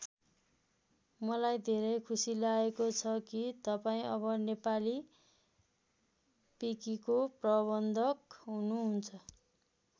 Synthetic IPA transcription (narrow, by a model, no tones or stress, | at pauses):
mʌlajd̪ʱeɾʌjkʰusilaekot͡sʰʌkit̪ʌpaĩʔʌβʌnepali | pikikoprʌbʌnd̪ʱʌkɦunuɦunt͡sʰʌ